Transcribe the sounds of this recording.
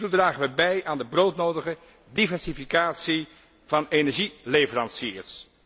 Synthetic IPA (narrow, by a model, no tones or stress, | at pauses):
tudraːχəʋəbɛjʔaːndəbrowtnowdəχə | divɛɹsifikaːtsi | v̥ɑnenɛɹʒilejvərɑnsiːɹs